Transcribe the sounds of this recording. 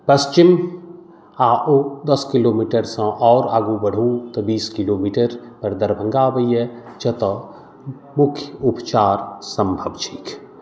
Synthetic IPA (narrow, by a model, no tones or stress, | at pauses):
pəst͡ʃɪm | aːʔoːd̪ɐskiloːmiːʈəɾsə̃ʔɔːɾaːɡubəɽ̤ut̪ɔbiːskiloːmiːʈəɾpəɾd̪əɾbʱə̃ŋɡaːbəijɛd͡ʒət̪ə | mʊkʰjʊpt͡ʃaːɾsəmbʱəbt͡ʃʰiːk